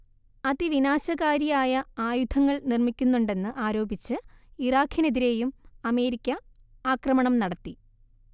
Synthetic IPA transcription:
ɐðiʋinaːɕɐɣaːɾijaːjɐaːjud̪ʱʰɐŋːɐɭnirmikʲːunːuɳɖe̞nːɨʔaːɾo̞ːbit͡ɕːɨiraːkʰjɐne̞ðiɾe̞ːjumɐme̞ːɾikʲːɐ | aːkrɐmɐɳɐmnɐɽɐt̪ːi

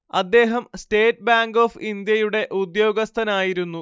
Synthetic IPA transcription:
ɐd̪ːe̞ːɦɐmsteːt̚ːbaːŋɡo̞ːfind̪jɐjuɽe̞ʔud̪jo̞ːɡɐst̪ʰɐnaːjiɾunːu

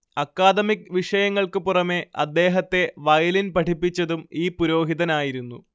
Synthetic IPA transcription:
ɐkːaːd̪ɐmikʋiʂɐjɐŋːɐɭkɨpurɐme̞ʔɐd̪ːe̞ːɦɐt̪ːe̞ʋɐjɐlinpɐʈʰipːit͡ɕːɐðumiːpuɾo̞ːɦiðɐnaːjiɾunːu

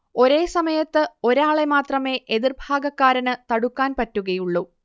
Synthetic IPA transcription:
o̞ɾeːsɐmɐjɐt̪ːɨo̞ɾaːɭe̞maːt̪rɐme̞ːʔeðirbʱaːɡɐkːaːɾɐnɨt̪ɐɽukːaːnpɐtːuɣɐjuɭːu

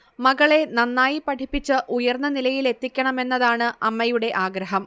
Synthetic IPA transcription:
mɐɣɐɭe̞nɐnːaːjipɐʈʰipːit͡ɕːɨʔujɐrnːɐnilɐjile̞t̪ːikʲːɐɳɐme̞nːɐðaːɳɨʔɐmːɐjuɽe̞ʔaːɡɾɐɦɐm

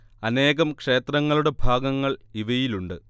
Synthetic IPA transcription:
ɐne̞ːɣɐmkʂe̞ːt̪rɐŋːɐɭuɽe̞bʱaːɡɐŋːɐɭiʋɐjiluɳɖɨ

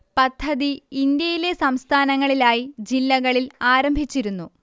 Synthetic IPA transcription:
pɐd̪ʰʱːɐðiːnd̪jɐjile̞sɐmst̪ʰaːnɐŋːɐɭilaːjid͡ʑilːɐɣɐɭilaːɾɐmbʱit͡ɕːiɾunːu

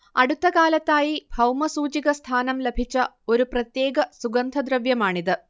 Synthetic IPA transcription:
ɐɽut̪ːɐkaːlɐt̪ːaːjibʱɐwmɐsuːt͡ɕiɡɐst̪ʰaːnɐmlebʱit͡ɕːɐ | o̞ɾuprɐt̪je̞ːɡɐsuɡɐnd̪ʱɐd̪ɾɐʋjɐmaːɳid̪ɨ

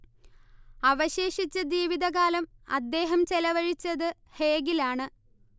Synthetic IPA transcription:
ɐʋɐɕe̞ːʂit͡ɕːɐd͡ʑiːʋiðɐɣaːlɐmɐ̰d̪ːe̞ːɦɐmt͡ɕelɐʋɐɻit͡ɕːɐðɨ | he̞ːɡilaːɳɨ

